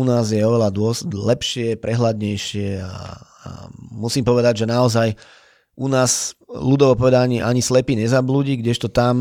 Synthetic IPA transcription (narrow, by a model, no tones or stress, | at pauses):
unaːzjɛɔʋɛlad̪ʊɔslɛpʃɪɛpɾɛɦlad̪ɲɛjʃɪɛa̰ː | musiːmpɔʋɛd̪aɟʒɛnaɔzaj | ʔunaːzlud̪ɔʋɔpɔʋɛd̪aaɲiʔaɲislɛpiːɲɛzabluːɟiɡɟɛʃt̪ɔt̪am